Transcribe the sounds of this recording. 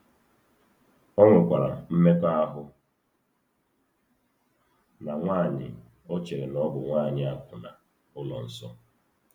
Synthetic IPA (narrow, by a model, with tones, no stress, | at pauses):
ɔ˦ŋʷʊ˨kʷa˨ɾa̰˨m̩˦me˦ka˦a˦ɦʊ˦ | na˨ŋʷa˦˨ɲɪ̰˨ | o˦t͡ʃe˨ɾe˨nɔ˦bʊ˨ŋʷaː˦˨ɲɪ˨a˦kʊ˨na˨ | ʊ˦lɔ˨n̩˨sɔ˦